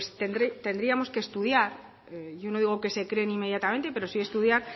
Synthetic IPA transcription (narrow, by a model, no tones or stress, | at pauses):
st̪end̪ɾet̪end̪ɾiamo̞skest̪uð̞jaɾ | ʝono̞ðiɣo̞ke̞se̞kɾenimːejat̪amẽnt̪e̞pe̞ɾo̞sie̞st̪uðjaɾ